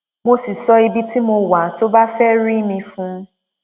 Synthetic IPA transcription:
mo˧si˨sɔ˧i˧bi˦ti˦mo˧wa˨to˦ba˦fɛ˦ɾi˦mĩ˧fũ˦

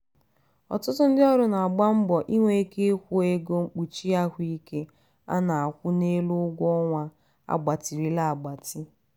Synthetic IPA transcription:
ɔ̰˨tʊ˦tʊ˦n̩˦dɪ˦ɔ˦ɾʊ˦na˨a˨ɡ͡ba˦m̩˦bɔ˨ʔi˦ŋʷe˨e˦ke˦e˦kʷu˦e˦ɡo˦ŋ͡m̩˦k͡pu˨t͡ʃi˦a˦kʷi˦ke˦ | a̰˦na˨a˨kʷʊ˦ne˦lʊ˦ɡʷɔ˦ŋʷa˦ | a̰˦˨ɡ͡ba˨ti˨ɾi˦la˨a˨ɡ͡ba˨tɪ˦

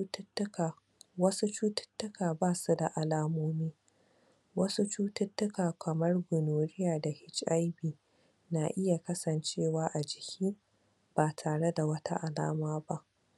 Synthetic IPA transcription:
wɐ˦su˦t͡ʃuː˦tʊ̥˦tːʊ˦kaː˨baː˦˨su˦da˨ʔa˨laː˦moː˦miː˦ | wɐ˦su˦t͡ʃuː˦tʊ˦tːʊ˦kaː˨kɐ˨mɐ˦rɡʷʊ˨noː˨ɽɪ˦jaː˨da˨hɪ˦t͡ʃʼʔa˦jbiː˨ | na˨ʔɪ˦ja˨kɐ˦sɐ˨nt͡ʃeː˦˨waː˦ʔa˨d͡ʒɪ˨kʲʰiː˦ | b̥aː˨tʰaː˨ɽe˦da˨wɐ˦ta̰˦ʔa˨la̰ː˦maː˦ba˦ʔ

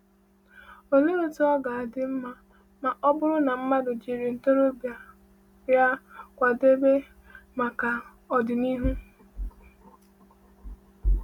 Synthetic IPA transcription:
o˨ɲe˦ɾo˦tʊ˦ɔ˦ɡa˨a˨dɪ˦m̩˦ma˦ | ma˨ʔɔ˦bʊ˦ɾʊ˦na˨m̩˦ma˦dʊ˨d͡ʒi˨ɾi˨n̩˨to˦ɾo˦bja˨ | ja˦kʷa˨de˦be˦ | ma˨ka˨ | ɔ˨dɪ˨ni˦ɦu˦

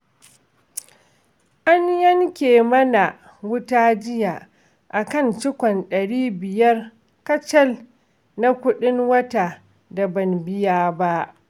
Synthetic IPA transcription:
ʔa˦njɐ˦ŋkʲeː˨mɐ˦na˨ | wʊ˦taː˦d͡ʒɪ˦jaː˨ʔ | ʔa˨kɐ˦˨nt͡ʃɪ˦kʷɔ˨nɗɐ˨ɽiː˦bɪ˨jɐ˦r | kɐ˦t͡ʃɐ˦l | na˦kʷʊ˦ɗɪ˦ŋwɐ˦ta˨ | da˨bɐ˨mbɪ˦jaː˦ba˦ʔ

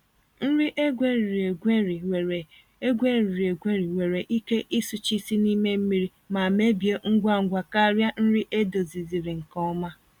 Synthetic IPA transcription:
n̩˦ɾi˦ʔe˦ɡʷe˦ɾi˨ɾi˨e˨ɡʷe˦ɾi˨e˨e˨ | e˦ɡʷe˦˨ɾi˨ɾi˨e˨ɡʷe˦ɾi˨we˨ɾe˨ʔi˦ke˦ʔi˦su˨t͡ʃi˦si˦ni˦me˦m̩˦mi˦ɾi˦ | ma˨me˦bje˦ŋ̩˦ɡʷa˦˨ŋ̩˨ɡʷa˨ka˦ɾja˦n̩˦ɾi˦ʔe˦do˨zi˨zi˨ɾi˨ŋ̩˨kɔ˦ma˦

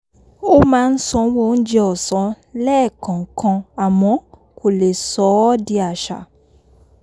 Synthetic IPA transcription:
o˦mãː˦˧n̩˦sɔ̃˧wo˦˨n̩˦d͡ʒe˧ɔ˨sɔ̃˨˦ | lɛː˦˨kʰã˨kʰã˧a˨mɔ̃˨˦ | kʰo˨le˨sɔ˨˦di˧a˨ʃa˨

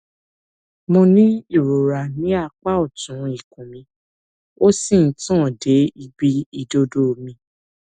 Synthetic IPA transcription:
mõ˧nĩ˦i˦˨ɾo˨ɾa˨nĩ˨˦a˦˧k͡pa˦ɔ˦˨tũ˨˦i˦˨kũ˨mĩ˧ | o˦sĩ˦˨n̩˨˦tã˦˨de˨˦i˧bi˧i˨do˧do˦˨mĩ˧

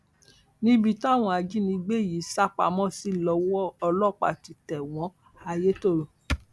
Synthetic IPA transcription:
nĩ˦bi˦˧˨tɔ˦˨w̃ɔ̃˧a˧d͡ʒi˦nĩ˧ɡ͡be˦˨ji˨˦sa˦k͡pa̰˧˨mɔ̃˦˨si˦lɔ˧˦wɔ˦ɔ˧lɔ˦˨k͡pa̰˨ti˨˧tɛ˨w̃ɔ̃˨˦ | a˧je˦to˦˨ɾo˨

